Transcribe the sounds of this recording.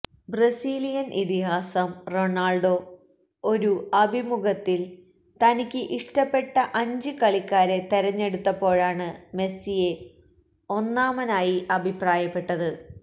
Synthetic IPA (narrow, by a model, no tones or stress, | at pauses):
brɐsiːlijɐnʔit̪iɦaːsɐmro̞naːɭɖo̞ | oɾuɐbʱimuɡɐt̪ːil | t̪ɐnikʲːɨʔiʂʈɐpːe̞ʈːɐʔɐɲd͡ʑɨkɐɭikʲːaːɾe̞t̪eɾɐɲːe̞ɽut̪ːɐpːo̞ːɻaːɳɨme̞sije̞ | o̞nːaːmɐnaːjiʔɐbʱipraːjɐpːe̞ʈːɐðɨ